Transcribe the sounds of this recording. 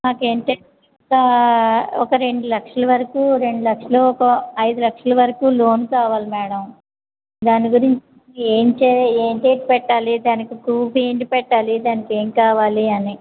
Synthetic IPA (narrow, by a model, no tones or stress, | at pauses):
maːke̞ːɳʈe | ka | ɔkɐɾe̞ɳɖulɐkʂɐlɐʋɐɾɐkuːɾe̞ɳɖulɐkʂɐloːɔkɐɐjd̪ulɐkʂɐlɐʋɐɾɐkuːlo̞ːnkaːʋaːlimɛːɽɐm | d̪aːniɡuɾiɲt͡ʃ | eːnt͡ʃeeːnʈeːʈ̚pɛʈːaːlid̪aːnikikuːpeːɳʈipɛʈːaːlid̪aːnike̞ːŋkaːʋaːliɐni